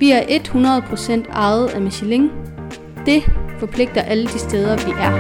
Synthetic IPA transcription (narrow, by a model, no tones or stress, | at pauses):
ʋiæɐʔe̝d̥hunɐð̞ˠpʰʁo̝sen̰d̥ɑ̈ɪð̩ˠæmiɕileŋ | d̥e̝fɒ̽pʰle̝ɡ̥̚d̥ɐʔæləd̥isd̥eːð̞ˠɐʋiʔæɐ